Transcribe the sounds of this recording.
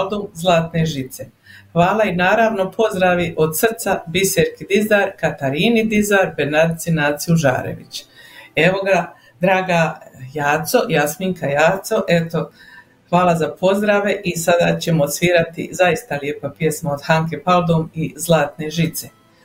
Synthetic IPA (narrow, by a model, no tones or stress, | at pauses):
ld̪umzlˠaːt̪ne̞ʒit̪se̞ | xʋaːlainaːɾaːʋno̞pʰo̞zd̪ɾaʋiʔo̞d̪sr̩t̪sabiseɾkid̪izaːɾkat̪aɾiːnid̪izaɾbeɾnad̪t̪sinaːt̪siuʒa̰ːɾḛʋḭt͡ɕe̞ʋo̞ɡa | d̪ɾaːɡajaːt̪so̞jasmiŋkʰajaːt̪so̞ʔe̞t̪o̞ | hʋaːlˠazapʰo̞zd̪ɾaʋe̞ʔisad̪aːt͡ɕe̞mosʋiːɾat̪ḭzajist̪alje̞papje̞smaod̪haŋke̞palˠd̪omizlˠaːt̪ne̞ʒit̪se̞